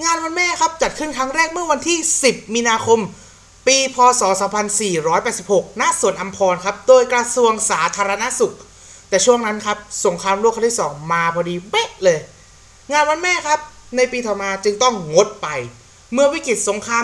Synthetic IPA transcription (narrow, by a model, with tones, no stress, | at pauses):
ŋaː˧nwa˧nmɛː˥˩kʰa˦˥p̚t͡ɕa˨˩t̪̚kʰɯ˥˩nkʰɾa˦˥ŋɾɛː˥˩k̚mɯ˥˩ɐwa˧nt̪ʰiː˥˩si˨˩p̚miː˧naː˧kʰo˧m | piː˧pʰɔː˧sɔː˩˦saː˩˦mpʰa˧nsiː˨˩ɾɔː˦˥jpɛː˨˩t̪̚si˨˩p̚ho˨˩k̚na˧˥su˨˩ənʔa˧mpʰɔː˧nkʰa˦˥p̚doː˧jkɾa˧su˧əŋsaː˩˦t̪ʰaː˧ɾa˧na˦˥ʔsu˨˩k̚ | t̪ɛː˨˩t͡ɕʰu˥˩əŋna˦˥nkʰa˦˥p̚so˩˦ŋkʰɾaː˧mɾu˥˩kʰa˧˥˩t̪ʰi˥˩sɔː˩˦ŋmaː˧pʰɔː˧diː˧we˦˥ʔlɤː˧j | ŋaː˧nwa˧nmɛː˥˩kʰa˦˥p̚na˧jpiː˧t̪ʰɔː˨˩maː˧t͡ɕɯ˧ŋt̪ɔ˥˩ŋŋo˦˥t̪̚pa˧j | mɯ˥˩əwi˦˥kɾi˨˩t̪̚so˩˦ŋkʰɾaː˧